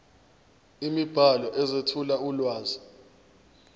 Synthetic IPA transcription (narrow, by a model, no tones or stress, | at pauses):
imib̥ʱalɔʔɛzetʰulaulwaːzi